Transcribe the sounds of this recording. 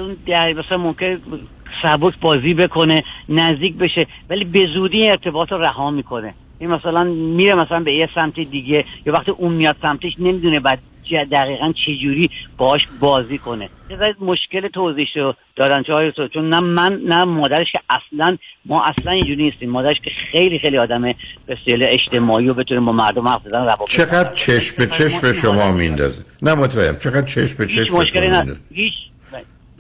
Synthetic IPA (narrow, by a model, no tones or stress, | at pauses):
zund̪æɾmæsælænmo̞mkʰʲene | sæbokʰbɒːziːbe̞kʰo̞ne̞næzd̪iːc̚ʰbe̞ʃevæliːbe̞zuːd̪iːneɾt̪ʰe̞bɒːt̪ʰɾoræhɒːmiːkʰo̞ne̞ | jænimæsælænmiːɾemæsælænbejesæmt̪ʰid̪iɟe̞jɒːvæχt̪iːʔuːnmijɒːd̪̥sæmt̪ʰeʃne̞miːd̪unebæd̪̚ | d͡ʒæd̪æɣiːɣænt͡ʃʰe̞d͡ʒuːɾiːb̥ɒːhɒːʃbɒːziːkʰo̞nenezæɾid̪moʃce̞let̪ʰoziʃod̪̥ɒːd̪ænt͡ʃʰeɒːjesot͡ʃʰonːæmænːæmɒːd̪æɾeʃkʲʰeʔæslænmɒːʔæslænind͡ʒuːɾiniːst̪iːmːɒːd̪æɾeʃcʰʲeχe̞jliːxejliɒːd̪æmeb̥eseleeʃt̪e̞mɒːiːobe̞t̪ʰunibɒːmæɾd̪omhæfzæd̪ænæbɒːbt͡ʃʰeɣæd̪̥̚t͡ʃʰeʃmbet͡ʃʰeʃmeʃomɒːmind̪ɒ̰ːzenæmot̪ʰbæḛmt͡ʃʰeɣæd̪̚t͡ʃʰeʃmbet͡ʃʰieʃt͡ʃmoʃkelinænhiːt͡ʃʰ